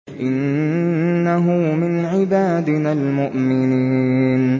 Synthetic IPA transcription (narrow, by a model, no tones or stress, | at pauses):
ʔɪnː | aɦʊmɪnʕɪbaːd̪ɪnalmʊʔmɪniːn